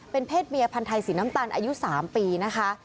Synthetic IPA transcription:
pe˧npʰeː˥˩t̪̚miː˧ʔa˧pʰa˧nt̪ʰa˧jsiː˩˦na˦˥mt̪aː˧nʔaː˧ju˦˥saː˩˦mpiː˧na˦˥kʰa˦˥

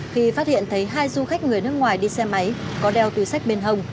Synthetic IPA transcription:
xi˧faː˦˥t̚hḭ˧˨ənt̪ʰə˨˦jɦaː˧jzu˧xa˦˥jk̟̚ŋɨ˨˩əjnɨ˦˥ək̚ŋwaː˨˩jɗi˧sɛ˧ma˨˦jkɔ˨˦ɗɛ˧wt̪i˧˩sa˦˥k̟̚ɓe˧nɦə˧wŋ͡m

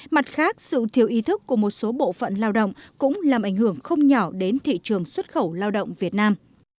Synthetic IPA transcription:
ma˨˩t̚xaː˦˥k̚sɨ̰˧˨t̪ʰi˨˩əwʔi˨˦t̪ʰɨ˦˥kːu˧˩əmo˨˩t̚so˨˦ɓo̰˧˨fə̰˧˨nlaː˧wɗə̰˧˨wŋ͡mkʊ̰˧˥ŋ͡mlaː˨˩mʔa˧˩ŋ̟hɨ˧˩əŋxə˧wŋ͡mɲɔ˧˩ɗe˨˦nt̪ʰḭ˧˨t͡ɕɨ˨˩əŋswə˦˥t̚xə˧˩wlaː˧wɗə̰˧˨wŋ͡mvi˨˩ət̚naː˧m

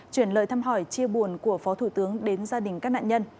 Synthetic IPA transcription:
t͡ɕwi˧˩ənlə̰ː˧˨jt̪ʰaː˧mɦɔ˧˩jt͡ɕi˧əɓu˧˩ənku˧˩əfɔ˨˦t̪ʰu˧˩t̪ɨ˨˦əŋɗe˨˦nzaː˧ɗï˨˩ŋ̟kaː˦˥k̚na̰ː˧˨ɲə˧n

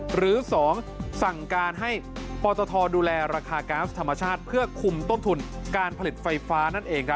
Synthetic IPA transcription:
ɾɯː˩˦sɔː˩˦ŋ | sa˨˩ŋkaː˧nɦa˥˩jpɔː˧t̪ɔː˧t̪ʰɔː˧duː˧lɛː˧ɾaː˧kʰaː˧kaː˦˥t̪ʰa˧ma˧t͡ɕʰaː˥˩t̪̚pʰɯ˥˩ɐkʰu˧mt̪o˥˩nt̪ʰu˧nkaː˧npʰa˧li˨˩t̪̚fa˧jfaː˦˥na˥˩nʔeː˧ŋk̚ʰ

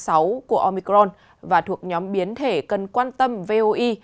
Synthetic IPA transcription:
sa˨˦wku˧˩əʔo˧mi˧kɾɔ˧n | vaː˨˩t̪ʰu˨˩ək̚ɲɔ˨˦mɓi˨˦ənt̪ʰe˧˩kə˨˩nkwaː˧nt̪ə˧mve˧ʔo˧ʔi˧

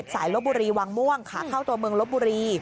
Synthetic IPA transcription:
t̪̚saː˩˦jlo˦˥buː˧ɾiː˧waː˧ŋmu˥˩əŋkʰaː˩˦kʰa˥˩wt̪u˧mɯ˧əŋlo˦˥buː˧ɾiː˧

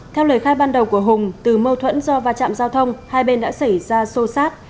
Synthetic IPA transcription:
t̪ʰɛ˧wləː˨˩jxaː˧j̚ɓaː˧nɗə˨˩wku˧˩əɦʊ˨˩ŋ͡mt̪ɨ˨˩mə˧wt̪ʰwə̰˧˥nzɔ˧vaː˧˩t͡ɕa̰ː˧˨mzaː˧wt̪ʰə˧wŋ͡mhaː˧jɓe˧nɗa̰ː˧˥sa˧˩jzaː˧so˧saː˦˥t̚

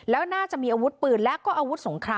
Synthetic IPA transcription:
lɛː˦˥wnaː˥˩t͡ɕa˨˩ʔmiː˧ʔaː˧wu˦˥t̪̚pɯː˨˩nlɛː˦˥ʔkɔː˥˩ʔaː˧wt̪̚so˩˦ŋkʰɾaː˧

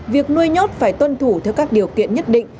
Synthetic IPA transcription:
vi˨˩ək̚nu˧əjɲɔ˦˥t̚faː˧˩jt̪wə˧nt̪ʰu˧˩t̪ʰɛ˧wkaː˦˥k̚ɗi˨˩əwkḭ˧˨ənɲə˦˥t̚ɗḭ˧˨ŋ̟

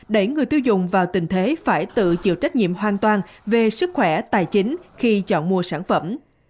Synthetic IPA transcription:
ɗə˧˩jŋɨ˨˩əjt̪i˧wzʊ̰˨ŋ͡mvaː˨˩wt̪ï˨˩ŋ̟t̪ʰe˨˦faː˧˩jt̪ɨ̰˧˨t͡ɕḭ˧˨wt͡ɕa˦˥k̟̚ŋḭ˧˨əmɦwaː˨˩nt̪waː˧˩nve˨˩sɨ˦˥k̚xwɛ˧˩t̪aː˨˩jt͡ɕï˨˦ŋ̟xi˧t͡ɕɔ̰˧˨nmu˨˧əsaː˧˩nfə˧˩m

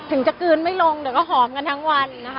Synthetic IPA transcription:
t̪ʰɯ˨˩˦ŋt͡ɕa˨˩kɯː˧nma˥˩jlo˧ŋdi˨˩˦wkɔː˥˩ɦɔː˩˦mka˧nt̪ʰa˦˥ŋwa˧nːa˦˥kʰ

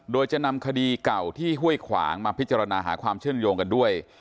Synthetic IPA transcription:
doː˧jt͡ɕa˨˩na˧mkʰa˧diː˧ka˨˩wt̪ʰiː˥˩ɦu˥˩əjkʰwa̰ː˩˦ŋmaː˧pʰi˦˥t̪̚t͡ɕa˧ɾa˧naː˧ɦa̰ː˩˦kʰwaː˧mt͡ɕʰɯ˥˩əŋjoː˧ŋka˧ndu˥˩əj

